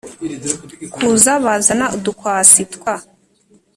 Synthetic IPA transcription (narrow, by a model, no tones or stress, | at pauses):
kʰuzaβazanaudukwaːsitkwa